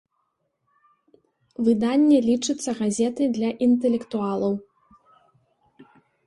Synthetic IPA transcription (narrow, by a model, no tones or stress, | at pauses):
vɨd̪anʲːɛlʲit͡ʂɨt̪sːɐɣazʲɛt̪ɨd̪lʲɐʔint̪ɛlʲɛkt̪ualˠɐw